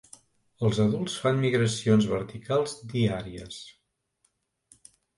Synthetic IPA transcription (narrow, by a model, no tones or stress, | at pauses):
əlˠzəðulˠsfanmiɣɾəsionzβəɾt̪ikʰalˠzd̪iaɾiə̰s